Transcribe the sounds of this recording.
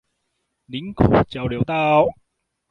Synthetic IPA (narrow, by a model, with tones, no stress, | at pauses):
li˨˥nkʰɔː˨˩t͡ɕɐ˨wliː˨˩wt̪a˧w